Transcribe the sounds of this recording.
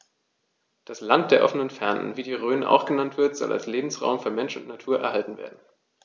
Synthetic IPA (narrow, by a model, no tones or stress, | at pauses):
d̥aslant̚d̥eːɐʔɔfənənfɛɐnə̰nviːdiːʁøːnəʔa̰ʊxɡ̥ənantv̥ɪɐtz̥ɔ̰lʔa̰lsleːbm̩sʁa̰ʊmfyːɐmɛnʃʊntnatʰuːɐʔɛ̰ɐhaltn̩vḛːɐdn̩